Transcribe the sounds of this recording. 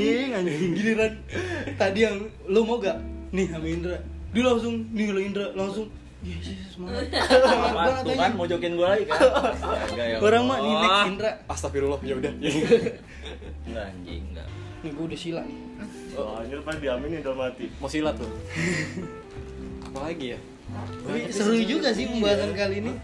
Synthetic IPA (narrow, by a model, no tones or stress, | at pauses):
iŋaɡiniɾant̪adiam | lomoɡaʔnɪhamaindɾadulaŋsʊŋniloindɾalaŋsʊŋ | asismaaaanat̪aɲamod͡ʒokɛnɡualaikaaɡajakoɾaŋmaʔnɪiindɾaast̪afiɾulɔfjaudaja | ŋɡa̰ɲd͡ʒḭŋɡa̰ | naɡudahsilaʔnɪ | oaɲupadiaminindalmat̪imosilat̪ʊ | apalaɡija | t̪apisəɾud͡ʒuɡas̬ɪhpəmbaas̬ankalinɪ